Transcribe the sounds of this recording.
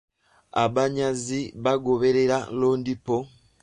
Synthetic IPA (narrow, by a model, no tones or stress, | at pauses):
a̰βaɲaziβaɡoβeɾeɾaloːndipo